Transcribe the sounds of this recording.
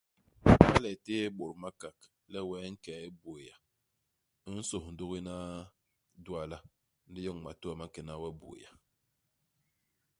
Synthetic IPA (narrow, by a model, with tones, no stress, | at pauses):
ma˦lɛ˨teː˦ɓo˨ɾma˦ka˨k | lɛ˦wɛː˨˦ŋ̩˦kɛ˨˦i˦bo˨ja˨˦ | n̩˦so˨hn̩˨do˦ɣi˦na˦ | du˦a˦˨la˦ | n̩˦di˦jɔ˦˨ŋma̰˨tu˦a˨ma˦kɛ˨na˦wɛ˦bo̰˨ja˨